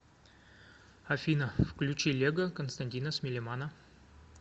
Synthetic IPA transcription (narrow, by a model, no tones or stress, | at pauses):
ɐfʲinəfklʲʉt͡ɕilʲeɡəkənst̪ɐnʲtʲinəsmʲɪlʲemanə